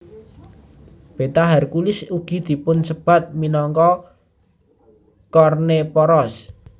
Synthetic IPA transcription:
b̥e̤t̪aɦɛrkulɪsuɡ̥i̤d̪̥i̤pʊnsəb̥a̤t̪̚minɔŋkɔ | kɔrnepɔɾɔs

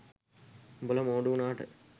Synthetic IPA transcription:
bələmoːɖuunaːʈə

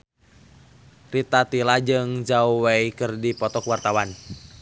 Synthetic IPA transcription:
rit̪at̪ilad͡ʒɨŋd͡ʒauwaikɨrdipɔt̪ɔkwart̪awan

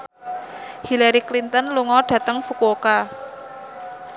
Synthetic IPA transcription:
hilaɾiklint̪ənluŋɔɖ̥ä̤t̪əŋfukuoka

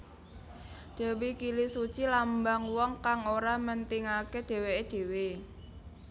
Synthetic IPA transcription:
d̪̥ɛ̤wikilisut͡ʃilambaŋwɔŋkaŋoɾamənt̪iŋaked̪̥e̤weed̪̥e̤we

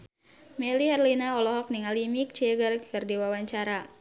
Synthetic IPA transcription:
mɛliɛrlinaɔlɔɦɔk̚niŋalimik̚t͡ʃɛɡərkʰərdiwawaɲt͡ʃaɾa

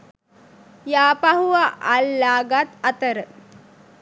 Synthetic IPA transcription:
jaːpaɦuʋaʔalːaːɡat̪ɐt̪əɾə

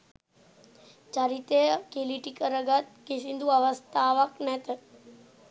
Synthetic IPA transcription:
d͡ʒaɾit̪ekeliʈikəɾəɡət̪kesind̪ʱuaʋəst̪aʋəknɛt̪ə

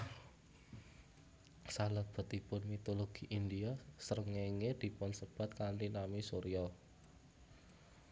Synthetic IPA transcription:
saləb̥ə̤t̪ipʊnmit̪oloɡ̥i̤ʔind̪iasəɾəŋeŋed̪̥i̤pʊnsəb̥a̤t̪̚kantinamisoɾiɔ

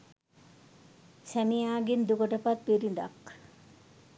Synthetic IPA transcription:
sæmijaːɡind̪ukoʈɐpat̪̚piɾiɳɖa̰k

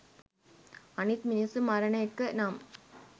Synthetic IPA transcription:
ɐnit̪mɪnisɯmɐɾɐnɐjkːɯnaːm

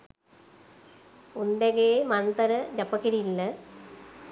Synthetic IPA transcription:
und̪eɡeːmɐnt̪ɐɾɐd͡ʑɐpːɐkːiɾijilːɐ

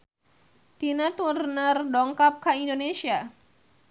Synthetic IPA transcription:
t̪inat̪urnərdɔŋkap̚kaindonesia

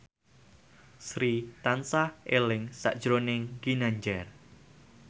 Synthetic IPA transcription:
sɾit̪ansahʔelɪŋsa̰ʔd̥ʒ̥ɾonɪŋɡinaɲd͡ʒɛr

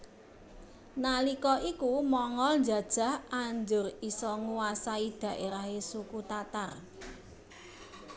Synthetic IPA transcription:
nalikɔʔikumɔŋɔlnd͡ʒä̤d̥ʒ̥a̤haɲd͡ʒʊrisɔŋuwasaid̪̥ä̤ʔeɾaɦesukut̪at̪ar

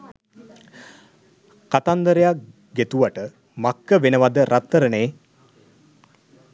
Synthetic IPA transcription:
kat̪and̪əɾejak | ɡet̪uʋaʈə | makːəʋenəʋad̪əɾʔat̪ːəɾəneː

